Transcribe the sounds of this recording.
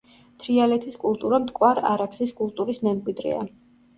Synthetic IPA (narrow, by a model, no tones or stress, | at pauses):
t̪ʰɾialɛt̪ʰiskʼulˠt̪ʼuɾamt̪ʼkʼwaɾa̰ɾakʰsiskʼulˠt̪ʼuɾismɛmɡʼwid̪ɾɛ̰a̰